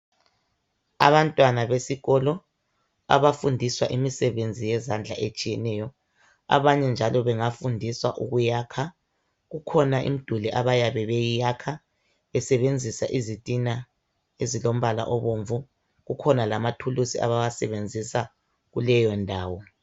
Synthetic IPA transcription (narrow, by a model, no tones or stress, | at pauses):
a̰βantʼwanaβesiɣɔlɔ | a̰βafundʱiswaʔimisɛβend͡zʱijɛzand͡ɮʱa̰ʔet͡ʃʼijɛnɛjɔ | a̰βaɲɛnd͡ʒʱalɔβɛŋafundʱiswa̰ʔuɣujaːkʰa | ɣukʰɔnaʔḭm̩d̥ʱulɛʔaβajaβɛβejijakʰa | βɛsɛβend͡zʱisaʔizitʼina | ezilom̩βala̰ʔɔβoɱvu | ɣukʰɔnalamatʰulusia̰βawasɛβend͡zʱisa | ɣulɛjɔndʱaːwɔ